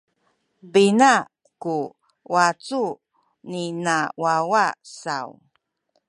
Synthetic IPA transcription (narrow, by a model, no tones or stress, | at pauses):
bina | ku | wat͡su | ninawawasaw